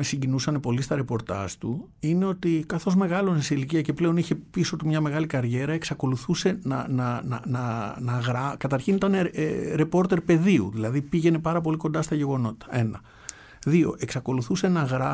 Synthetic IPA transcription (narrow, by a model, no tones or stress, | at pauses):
esiɲɟinusɐne̞po̞list̪ɐɾe̞po̞ɾt̪ɐ̰zt̪u | ine̞o̞t̪ikɐθo̞zme̞ɣɐlo̞nesiiliciɐce̞ple̞o̞niçe̞piso̞t̪umɲɐme̞ɣɐlikɐɾʝe̞ɾɐe̞ksɐko̞luθuse̞nɐ̰nɐnɐnɐnɐɣɾɐkɐt̪ɐɾçinit̪ɐneɾe̞po̞ɾt̪e̞ɾpe̞ðiṵðilɐðipiʝe̞ne̞pɐɾɐpo̞liko̞nd̪ɐst̪ɐʝe̞ɣo̞no̞t̪ɐ̥e̞nɐ | ðio̞̰ʔe̞ksɐko̞luθuse̞nɐɣɾɐ